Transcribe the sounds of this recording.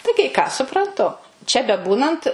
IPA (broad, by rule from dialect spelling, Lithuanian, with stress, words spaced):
tɐɪ kɐɪ ˈkɑː sʊprɐnˈtʊ t͡ʃʲɛ bʲɛˈbuːnɐnt